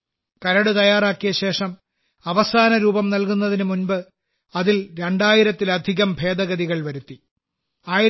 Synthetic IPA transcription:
kɐɾɐɽɨt̪ɐjaːraːkːijɐɕe̞ːʂɐm | ɐʋɐsaːnɐɾuːbɐmnɐlkunːɐðinɨmunbɨ | ɐðilɾe̞ɳɖaːjiɾɐt̪ːilɐd̪ʱiɣɐmbʱe̞ːd̪ɐɣɐðiɣɐɭʋɐɾut̪ːi | aːj

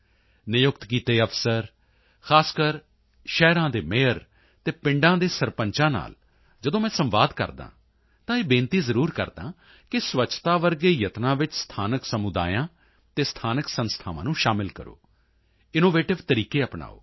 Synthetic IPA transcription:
nɪjʊkt̪kiːt̪eːəpʰsəɾ | xaːskəɾ | ʃɛːɾãːd̪eːmeːəɾ | t̪eːpɪ̃ɳɖãːd̪eːsəɾpəɲt͡ʃãːna̰ːl | d͡ʒəd̪õːmɛ̃ːsəmʋaːd̪kə̰ɾd̪ã̰ː | t̪ãːeːbẽːnt̪iːzəɾuːɾkə̰ɾd̪ã̰ː | kɪsʋət͡ʃʰt̪aːʋəɾɡeːjət̪nãːʋɪt͡ʃst̪ʰaːnəksəmʊd̪a̰ːjãː | t̪eːst̪ʰaːnəksənst̪ʰaːʋãːnũːʃaːmɪlkə̰ɾo̰ː | ɪnoːʋeːʈɪʋt̪əɾiːkeːəpna̰ːo̰ː

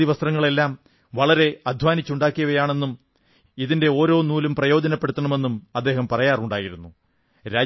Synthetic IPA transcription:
iʋɐst̪rɐŋːɐɭe̞lːaːm | ʋɐɭɐɾe̞ɐd̪ʱʋaːnit͡ɕːuɳɖaːkːijɐɣɐjaːɳe̞nːum | iðinde̞o̞ːɾo̞ːnuːlumprɐjo̞ːd͡ʑɐnɐpːeɽut̪ːɐɳɐme̞nːumɐd̪ːe̞ːɦɐmpɐrɐjaːruɳɖaːjiɾunːu | ɾaː

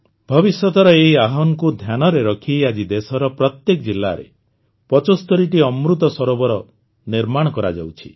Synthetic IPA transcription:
bʱɔbisjɔt̪ɔɾɔeɦiaɦɔnɔkud̪ʱjanɔɾeɾɔkʰijad͡ʒid̪esɔɾɔpɾɔt̪jekɔd͡ʒilːa̰ɾḛ | pɔt͡ʃɔst̪ɔɾiʈiɔmɾut̪ɔsɔɾobɔɾɔ | niɾmaɽ̃ɔkɔɾa̰d͡ʒa̰wt͡ʃʰi̥̰

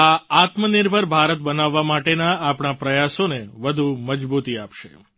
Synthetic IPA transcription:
aat̪mənɪɾbʱəɾbʱaɾət̪bənaʋːamaʈenaːpɳ̃apɾəjasoneʋəd̪ʱuməd͡ʒbut̪iapʃḛ

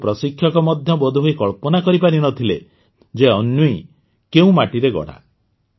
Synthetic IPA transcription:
pɾɔsikʰːjɔkɔmɔd̪ʱjɔbɔd̪ʱuɦojkɔɭpɔnakɔɾipaɾinɔt̪ʰile | d͡ʒeɔnjui | keũmaʈiɾeɡɔ̰ɽ̤a̰

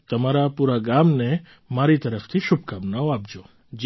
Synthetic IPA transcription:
t̪əmaɾapuɾaɡamne | maɾit̪əɾəft̪ʰiʃub̚kamnaoap̚d͡ʒo | d͡ʒ

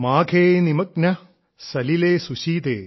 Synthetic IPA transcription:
maːkʰeːnimɐk̚nɐ | sɐlileːsuʃiːt̪ḛː

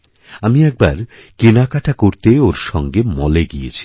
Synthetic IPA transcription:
amiɛk̚baɾ | kenakaʈʰakoɾt̪eoɾʃɔŋɡemɔleɡijet͡ɕʰi̥

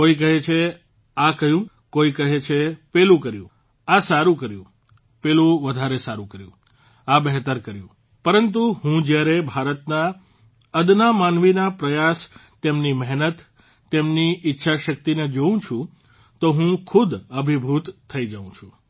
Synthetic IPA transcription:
koik̬əɦet͡ʃʰe | akəjũ | koikəɦet͡ʃʰepelũkəɾjṵ̃ | asaɾũkəɾjũ | pelũʋəd̪ʱaɾesaɾũkəɾjũ | abɛɦt̪əɾkəɾjṵ̃ | pəɾənt̪uɦũd͡ʒjaɾebʱaɾət̪na | əd̪namanʋinapɾəjast̪emnimɛɦnət̪ː | emniʔɪtːʃʰaʃək̚t̪ined͡ʒoũt͡ʃʰũ | t̪oɦũkʰud̪əbʱibʱut̪ʰːəid͡ʒəʋũt͡ʃʰũ

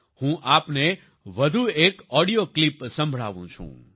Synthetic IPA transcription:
hũʔapne | ʋəd̪ʱuekɔɽijoklipsə̃mbʱɭa̰ʋṵ̃t͡ʃʰṵ̃

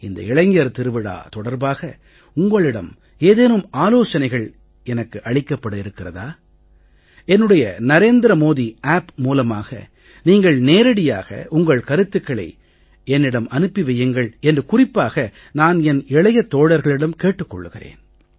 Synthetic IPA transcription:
ɪnd̪ɐ̰ɪɭɐŋɡɐɾt̪ɪɾɯʋɪɽa̰ːt̪ɔɽɐɾbaːɣɐ | ʊŋɡɐɭɪɽɐm | eːðeːnɯmaːloːt͡ʃɐnɐɪɣɐɭ | ɛnɐkːɯʔɐɭɪkːɐpːɐɽɯɪɾɯkːɪrɐðaː | ɛnːɯɽɐjɐnɐɾeːnd̪ɪɾɐmoːðiaːpmuːlɐmaːɣɐ̰ | niːŋɡɐɭneːɾɐɽɪjaːɣɐ̰ʔʊŋɡɐɭkɐɾɯt̪ːɯkːɐɭɐ̰ɪ | ɛnːɪɽɐmʔɐnɯpːiʋɐjːɐŋɡɐɭɛndrɯkʊrɪpːaːɣɐ | naːnɛnɪɭɐjɐt̪ːoːɽɐɾɣɐɭɪɽɐmkeːʈːɯkːɔ̰ɭːɯɣɪrḛːn

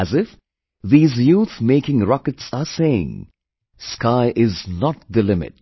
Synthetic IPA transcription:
æzɪf | ðiːzjuːθmeɪkɪ̃ŋɾɔkɨtsaseɪɪ̰̃ŋ | skaɪʔɪznɔt̚d̪əlɪmɪ̰t̚

